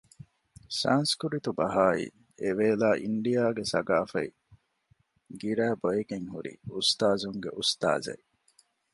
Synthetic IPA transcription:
sa̰ːnskuɾit̪ubɐɦaːḭ | eʋeːlaːʔiɳɖijaːɡesɐɡaːfɐ̰i | ɡiɾæːbojeɡeŋhuɾḭust̪aːzuŋɡḛʔust̪a̰ːzɐ̰j

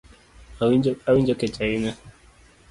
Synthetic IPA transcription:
awind͡ʒɔkɛt͡ʃaina

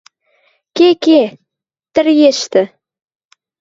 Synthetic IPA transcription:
keke | t̪ɘ̆rjeʃt̪ɘ̆

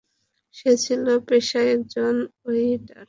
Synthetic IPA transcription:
ʃet͡ɕʰilopeʃaek̚d͡ʑonojʈaɾ

